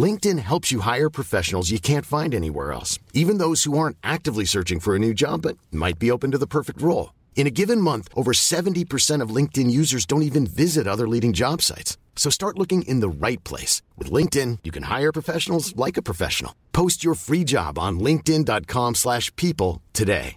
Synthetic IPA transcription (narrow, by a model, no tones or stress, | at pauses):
lɪ̃ŋk̚tɨ̃nɦɛlˠpsjɨɦaɪə˞pʰɹ̥ɨfɛʃn̩l̩ˠzjɨkʰæ̃ntfãɪ̃ndɛnḭwɛ̰ɹɛ̰lˠsivɨ̃nðoʊz̥huɑɹ̃ntʔæk̚tɨvlisɜ˞t͡ʃɪ̃ŋfə˞ɨnʉd͡ʒɑ̰bʌt̚ma̰ɪt̚b̥ioʊpɨ̃n̩tɨðəpʰɜ˞fɨk̚t̚ɹoʊlˠ | ɨ̃ɾ̃ɨɡɪvɨ̃nmʌ̃nθʔoʊvə˞sɛṽn̩tipʰə˞sɛ̃ɾ̃ʌvlɪ̃ŋk̚tɨ̃njʉzə˞zdõʊ̃ntivɨ̃nvɪzɨɾʌðə˞liɾɪ̃ŋd͡ʒɑb̥sa̰ɪtsː | oʊstɑɹtˡlʊkɪ̃ŋʔɪ̰̃nðəɹaɪt̚pʰl̥ḛɪswɨ̰ðlɪ̃ŋk̚tɪ̃njɨkʰɨ̃nha̰ɪə˞pʰɹ̥əfɛʃn̩l̩ˠzlaɪkɨpʰɹ̥ɨfɛ̰ʃn̩l̩ˠpʰoʊst͡ʃə˞fɹid͡ʒɑ̰b̃n̩lɪ̃ŋk̚tɪ̃ndɑt̚kʰɑ̃mslæʃpʰipl̩ˠtʰɨdḛɪ